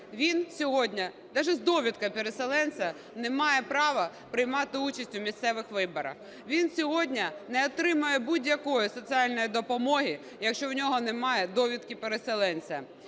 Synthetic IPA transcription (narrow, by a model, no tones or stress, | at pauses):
ʋʲinsʲɔɦɔdʲnʲɐ | d̪ɛʒɛzd̪ɔʋʲid̪̚kɐpeɾeselˠɛnʲt͡sʲɐ | nemɑjɛpɾɑʋɐ | pɾɪjmɑt̪ɪut͡ʃɐsʲtʲumʲist̪sɛʋɪxʋɪbɔɾɐ̰x | ʋʲinsʲɔɦɔdʲnʲɐnɛɔt̪ɾɪmʊjɛbudʲjɐkɔjʊsɔt͡sʲiɑlʲnɔjid̪ɔpɔmɔɦʲi | jɐkʃt͡ʃɔwnʲɔɦɔnemɑjɛd̪ɔʋʲid̪̚kʲipeɾeselˠɛnʲt͡sʲɐ